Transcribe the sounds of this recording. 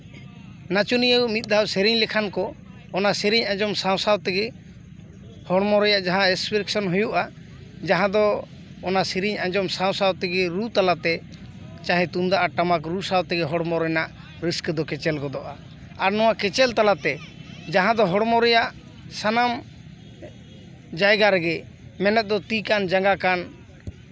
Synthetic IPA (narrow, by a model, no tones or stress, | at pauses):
nat͡ʃunijəwmit̪̚ˀd̪ʱawseɾiɲlɛkʰankɔː | nasɛɾiɲãd͡ʒɔmsaw̃sawt̪ɛɡɛ | hɔɽmɔɾɔjaʔd͡ʒaɦãɛspiɾɛksɔnɦujuʔa | d͡ʒaɦãd̪ɔː | nasɛɾiɲãd͡ʒɔmsaw̃sawt̪ɛɡɛɾut̪alat̪ɛ | t͡ʃaɦɛ̃t̪und̪aʔaʈamak̬ɾusawt̪ɛɡɛɦɔɽmɔɾɔjnaʔ | ɾiskd̪ɔkɛt͡ʃɛlɡɔd̪ɔʔa | aɾnɔw̃akɛt͡ʃɛlt̪alat̪ɛd͡ʒaɦãd̪ɔɦɔɽmɔɾɔjaʔ | sanam | d͡ʒajɡaɾɛɡɛ | mɛnɛt̪̚d̪ɔt̪ikand͡ʒaŋɡakan